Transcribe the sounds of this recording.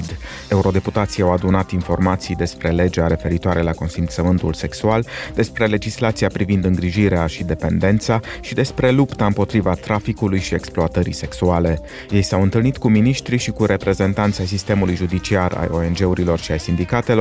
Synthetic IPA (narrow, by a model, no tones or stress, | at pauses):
d̪ | e̞uɾo̞d̪e̞put̪at̪sijawad̪unat̪info̞rmat̪sijd̪e̞spɾe̞le̞d͡ʒeaɾe̞fe̞ɾit̪oaɾe̞lako̞nsint̪səmɨnt̪ulse̞ksuald̪e̞spɾe̞le̞d͡ʒislat̪siapɾivind̪ɨŋɡɾiʒiɾeaʃid̪e̞pe̞nd̪e̞nt̪saʃid̪e̞spɾe̞lupt̪aɨmpo̞t̪ɾivat̪ɾafikulujʃie̞ksploat̪əɾḭse̞ksuale̞ | je̞jsawɨnt̪ɨlnit̪kuminiʃt̪ɾiʃikuɾe̞pɾe̞ze̞nt̪ant̪sajsist̪e̞mulujʒud̪it͡ʃiara̰jo̞e̞nd͡ʒe̞uɾilo̞rʃiajsind̪ikat̪e̞lor